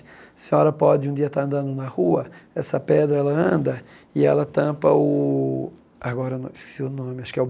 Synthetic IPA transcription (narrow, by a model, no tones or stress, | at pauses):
sĩɲɔɾɐpɔd͡ʒɪũd͡ʒ̪iɐt̪aɾɐ̃nd̪ɐ̃nd̪ʊnɐhuɐɛsɐpɛd̪ɾɐɛlɐɐ̃nd̪ɐ | ɪɛlɐt̪ɐ̃pɐʊ | aɡɔɾɐnɐ̃ɪskɪ̥siʊnõmɪaʃkɪɛʊ